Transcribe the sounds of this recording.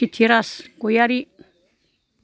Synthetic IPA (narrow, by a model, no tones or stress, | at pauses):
it̪ʰiɾaskojaɾi